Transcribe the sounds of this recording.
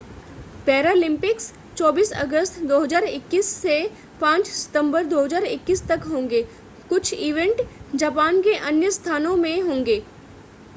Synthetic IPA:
pɛːɾaːlɪ̃mpɪks | t͡ʃɔːbiːsə̰ɡəst̪d̪oːɦəzaːɾɪkːiːsːe | pãːt͡ʃsɪ̥t̪ə̃mbəɾd̪oːɦəzaːɾɪkːiːst̪ɐkɦõːŋɡeː | kʊt͡ʃʰiːʋẽɳʈd͡ʒaːpaːnkeʔɐnjəst̪ʰaːnõmẽɦõːŋɡeː

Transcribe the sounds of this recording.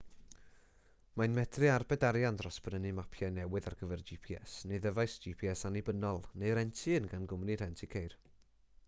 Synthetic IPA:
majnmɛdrɨarbɛdaɾjandrɔsb̥rəniɨmapʰjajnɛwɨðarɡəvɛrd͡ʒipʰiɛsneðəvajsd͡ʒipʰiɛsanibənɔlˠneɨɾɛntʰɨənɡanɡʊmniɾɛntʰikʰejr

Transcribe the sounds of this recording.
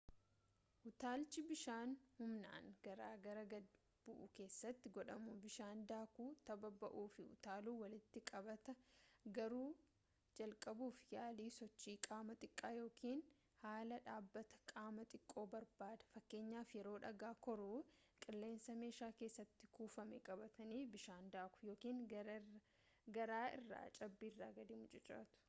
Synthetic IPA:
ʔʊt̪aːlt͡ʃɪbɪʃaːnhʊmna̰ːŋɡ̥ɐɾaːɡɐɾɐɡɐd | b̥ʊʔʊke̞ːsːɐt̪ːɪɡɔᶑɐmubɪʃaːnd̪aːkuːt̪ɐbɐbɐʔuːfɪhʊ̰t̪aːluːwɐlɪt̪ːɪkʼɐbɐt̪ɐɡɐɾuː | d͡ʒɐlkʼɐbuːfjaːliːsɔt͡ʃːiːkʼaːmɐt̪ʼɪkʼːaːjo̞ːkʰiːn | haːlɐᶑaːbːɐt̪ɐ̥kʼaːmɐt̪ʼɪkʼːo̞ːbɐɾbaːd̪ɐ̥fɐkːe̞ːɲːaːfjɛɾo̞ːᶑɐɡaːkɔɾuː | kʼɪlːe̞ːnsɐme̞ːʃaːke̞ːsːɐt̪ːɪkuːfɐmɛkʼɐbɐt̪ɐniːbɪʃaːnd̪aːkʊ̥jo̞ːkiːŋɐ | ɡɐɾaːɪ̰rːa̰ːt͡ʃʼɐbːiːrːaːɡɐd̪ɪmʊd͡ʒʼɛt͡ʃʼːa̰ːt̪ʊ̥

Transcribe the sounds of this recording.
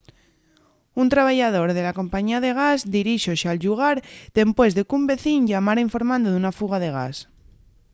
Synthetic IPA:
unt̪ɾaβ̞aʝað̞o̞ɾðe̞lako̞mpaɲiaðe̞ɣ̞azd̪iɾiʃoʃalʎuɣ̞aɾd̪̥e̞mpwe̞zðekumbe̞θiɲʎamaɾaiɱfo̞ɾmãnd̪oðunafuɣ̞aðe̞ɣ̞a̰s

